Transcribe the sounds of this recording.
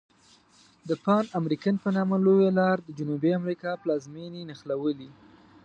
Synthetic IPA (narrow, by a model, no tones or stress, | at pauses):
d̪əpɑnamɾikanpənɑməlojalɑɾd̪əd͡ʒʊnubiamɾikɑplɑzmininaxlawəli